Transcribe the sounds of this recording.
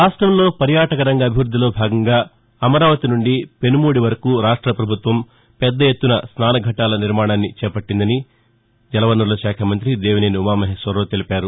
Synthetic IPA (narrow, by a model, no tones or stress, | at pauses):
aːsʈɾɐmlo̞ːpɐɾjaːʈɐkɐɾɐŋɡɐːbʱiʋɾud̪ʱːilo̞ːbʱaːɡɐŋɡaː | ɐmɐɾaːʋɐt̪inuɳɖipe̞numuːɽiʋɐɾɐkuːɾaːʂʈɾɐpɾɐbʱut̪ʋɐm | pɛd̪ːɐje̞t̪ːunɐsnaːnɐɡʱɐʈaːlɐniɾmaːɳaːnːit͡ʃɛːpɐʈːind̪ɐni | d͡ʒɛlɐʋɐnːulɐʃaːkʰɐmɐnt̪̬ɾid̪eːʋineːniumaːmɐɦeːsʋɐɾloːt̪elipaːɾu